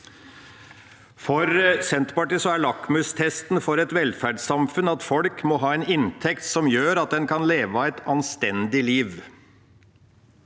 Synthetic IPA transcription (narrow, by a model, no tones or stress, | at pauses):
fɔɾsɛnt̪pɑʈiːsɔæɭɑkmʉst̪ʰɛst̪n̩fɔɾɛt̪ʋɛlfæɖsɑmfʉnɑt̪fɔlkmɔɦɑːɛnɪnt̪ʰɛkt̪sɔmjøːɾɑt̪̚d̪ɛnkʰɑnleːʋɑɛt̪ɑnst̪ɛnd̪ɪliːʋ